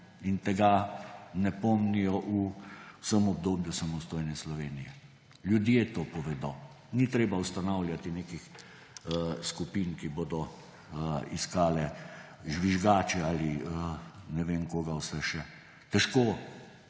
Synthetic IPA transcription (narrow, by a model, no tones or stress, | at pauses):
int̪ɛɡanɛpɔmnijɔʔuwsəmɔb̚d̪oːbjusamɔst̪oːjnɛslɔʋeːnijɛ | lʲjud̪jet̪oːpɔʋɛd̪oː | nit̪ɾeːbaust̪anawlʲjat̪ineːkix | skupiːnkiboːd̪ɔ | iskaːlɛ | ʒʋiʒɡaːt͡ʃɛaːliənɛʋeːnkoːɡawsɛʃɛ | t̪ɛʃkoː